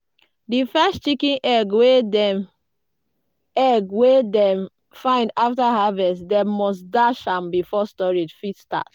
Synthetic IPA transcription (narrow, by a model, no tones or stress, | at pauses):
difɛstt͡ʃikĩnʔɛɡwedɛ̃m | ɛɡwedɛ̃m | fãɪ̃ndaftaɦavɛsdɛ̃mmɔsdaʃãmbifɔstɔɹid͡ʒfitsta̰t